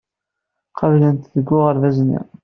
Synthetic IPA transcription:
qʰɑvlənt̪ðəɡːʊʁəɾvæznḭ

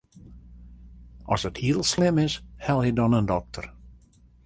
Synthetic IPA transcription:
ʔɔ̰səthiəlˠslɪmɪshɛlˠjədɔnəndɔk̚tʰər

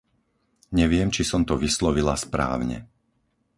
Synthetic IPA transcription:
ɲɛʋɪɛmt͡ʃisɔmt̪ɔʋislɔʋilaspɾa̰ːʊɲɛ̰

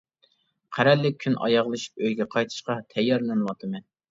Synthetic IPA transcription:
qʰæɾɛlːɪk̚ʲʰynʔɑ̰jɑʁlˠɨʃi̥pøjɡʲɛqʰɑjt̪ʰɨ̥ʃqɑt̪ʰɛjːɑɾlˠɨnɨwɑt̪ʰɨmɛn

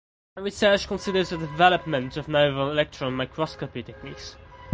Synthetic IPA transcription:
əɹɪsɜˑt͡ʃkʰə̃nsɪdəzədɪvɛləp̚mə̃ntəvnoʊvəlɪlɛk̚tʰɹə̃nmaɪkʰɹɔskəpitʰɛk̚niˑks

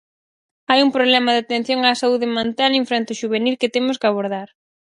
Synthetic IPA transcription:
ajumpɾoβlɛmɐðat̪en̟θjoŋaːsauðɪmẽnt̪aliɱfɾent̪ʊʃuβenilkɪt̪emʊskaβ̞oɾð̞aɾ

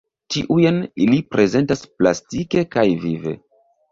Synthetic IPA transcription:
tiʔujenilipɾʔe̞ze̞ntaspla̰stike̞kajvive̞̰

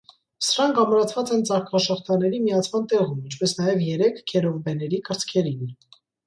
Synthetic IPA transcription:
səɾɑŋkʰɑmɾɑt͡sʰvɑt͡sɛnt͡sɑχkʰɑʃɔχt̪ɑnɛɾimijɑt͡sʰmɑnt̪ɛʁumint͡ʃʰpɛsnɑjɛvjɛɾɛkʰkʰːɛɾɔvbɛnɛɾikəɾt͡sʰkʰɛɾin

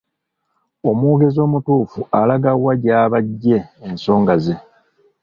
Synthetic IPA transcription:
o̞muɡe̞zo̞ːmutuːfualaɡawaɟaːβaɟːe̞ːnso̞ːŋɡaze̞

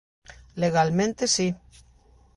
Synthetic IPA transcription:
leɣalmẽnt̪esi

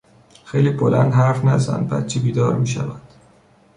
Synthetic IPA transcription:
xejliːbolænd̪hæɾfnæzæ̰nd̪̚bæ̰t̪t͡ʃʰibiːd̪ɒːɾmiːʃæ̰væd̪̥

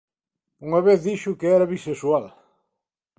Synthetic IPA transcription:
uŋɐβeθðiʃʊkɪɛɾɐβisesual

